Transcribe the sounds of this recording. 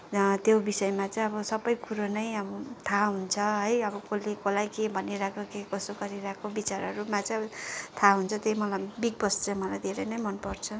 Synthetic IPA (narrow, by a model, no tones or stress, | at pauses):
t̪jobisʌemat͡saj̃ʌbʌsʌbʌjkuɾonʌjʌbʌt̪ʰaɦunt͡sʰʌɦʌjʌbʌkolekolajkebʱʌniɾakʰokekʌsokʌɾiɾakʰobit͡saɾɦʌɾumat͡sat̪ʰaɦunt͡sʰʌt̪ʌjmʌlabiɡ̚bʌst͡saj̃mʌlajd̪ʱeɾʌjnʌjmʌnpʌrt͡sʰʌ